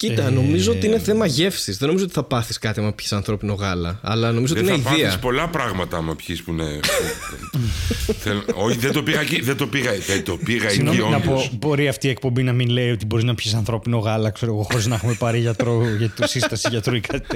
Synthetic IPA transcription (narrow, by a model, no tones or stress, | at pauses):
cit̪ɐno̞mizoot̪iineθe̞mɐʝe̞fsizðenoizot̪i̥θɐpɐθiskɐt̪iɐmɐpçi̥sɐnθɾo̞pino̞ɣɐlɐ̰ɐ̰lɐno̞mizot̪ineiðiɐspo̞lɐpɾɐɣmɐt̪ɐmɐpçispune | θeloçiðed̪opiɣɐciðed̪opiɣɐðed̪opiɣɐinoionɐpobo̞ɾiɐft̪iːek̚po̞mbinɐminleio̞t̪ibo̞ɾiznɐpçis̬ɐnθɾo̞pino̞ɣɐlɐkseɾoɣoxoɾiznɐexume̞pɐɾiʝɐt̪ɾoʝɐt̪sist̪ɐsiʝɐt̪ɾoikɐt̪it̪e